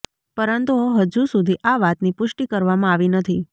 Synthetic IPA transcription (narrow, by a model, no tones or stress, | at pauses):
pəɾənt̪uɦəd͡ʒusud̪ʱiʔaʋat̪nipʊʃʈikəɾʋamãaʋinət̪ʰi